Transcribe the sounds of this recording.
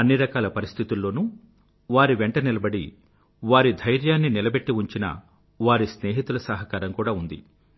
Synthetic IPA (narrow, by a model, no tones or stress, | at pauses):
ɐnːiɾɐkaːlɐpɐɾist̪ʰit̪ulːo̞ːnu | ʋaːɾiʋeɳʈɐnilɐbɐɽḭ | ʋaːɾid̪ʱɐjɾjaːnːinilɐbe̞ʈːiuɲt͡ʃinɐ̰ | ʋaːɾisne̞ːɦit̪ulɐsɐɦɐkaːɾɐmkuːɽaːund̪ḭ